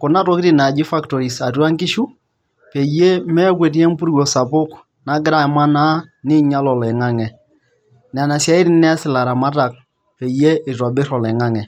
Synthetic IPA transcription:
kʊ˨na˦tɔ˦kɾi˦na˨d͡ʒi˦fa˦ktɔ˨ɾi˨sa˨twa˦ŋkɪ˦ʃu˦ | pe˨je˦mɛ˦k̬we˨t̬i˦ɛ˦m˦pu˦ɾwɔ˨sa˨pʊ˦k | na˨ɡɪ˦ɾa˦˨ma˦na˦nɪ˦ɲa˦lɔ˨lɛ˨ŋa˦ŋɛ˨ | n˨a˨na˨sja˨˦i˦ɾi˦nɛ˦a˦sɪ˨la˨ɾa˨ma˦ta˨k̚ | pe˨je˦ɪ˨ta˨bɪ˦ɾɔ˨lɛ˨ŋa˦ŋɛ˨

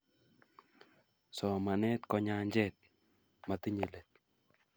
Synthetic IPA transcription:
sɔ˨ma˨nɛ˦t̪kɔ˨ɲa˧ɲd͡ʒɛt̪̚ | ma˨t̪i˦ɲə˨let̪̚

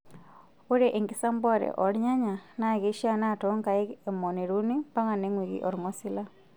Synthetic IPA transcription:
o˦ɾe˦ʔe˨ŋɡi˦sa˦mbɔ˦ɾɛ̰˨ʔɔ˨ɾɲa˦ɲa˨na˦˨ɣe˨˦ʃi˦a˦na˦˨tɔ˦ŋka˨e˦e˨mɔ˨ni˨ɾu˦ni˦pa˦ŋa˨ne˦ŋwi˨ɣḭ˨ʔɔ˨ɾŋɔ˦si˦la˦

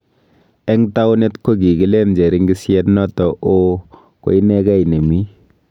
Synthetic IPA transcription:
ɛ˦ŋta˦wne˦tko˦k̬i˨ki˦le˦nd͡ʒe˨ɾi˦ŋɡi˦sjɛ˦tnɔ˦tɔ˨ʔo˦ | ko̰˨˦i˦nɛ˦ka˦ine˨mi˦

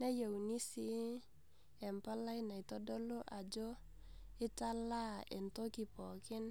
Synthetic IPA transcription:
ne˦jo˨wni˦si˦ | ɛ˨mpa˦la˦jna˨i˨tɔ˦do˦lo˦ʔa˨d͡ʒo˦ | ɪ˦ta˦la˦ɛ̰˨nto˦ki˨pɔ˨kɪ˦n

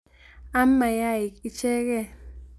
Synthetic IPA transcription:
a˦mːa˨ja˦i˨ki˨t͡ʃɛ˦kɛ˦

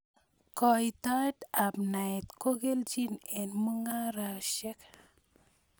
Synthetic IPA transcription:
kɔ˨i˨ta˦ta˨pna˨ɛ˨tko˦ɡe˦ld͡ʒi˦ne˨nmu˦ŋa˦ɾa˨ʃɛ˦k

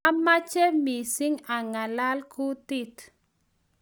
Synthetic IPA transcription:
a˦ma˦t͡ʃɛ˦mi˨si˦ŋa˨ŋa˨la˦lku˦t̪i˦˨t̪

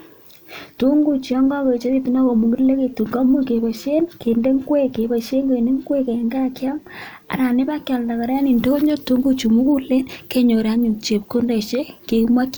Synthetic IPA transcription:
tu˦ŋɡu˦t͡ʃi˨ɔ˦ŋɡɔ˦ke˨t͡ʃe˦ði˦tu˦na˦ko˨mu˨ŋɡi˦le˦ke˨tu˨ŋɡa˦mu˦ke˨pa˨ʃe˦nke˨nde˦ŋ˦ɡwe˦ke˨ba˨ʃe˦ŋke˨ne˦ŋ˦ɡwe˦ke˨ŋɡa˦kja˦m | a̰˨ɾa˨ni˦ba˦kjɔ˨lnda˨ka˨ɾa˦ni˨nto˦ɲo˦tu˦ŋɡu˦t͡ʃu˨mu˦ku˦le˦nke˦ɲo˨ɾa˦ɲu˨t͡ʃe˨p̚ko˦nde˨ʃe˦ke˨kmwa˦k

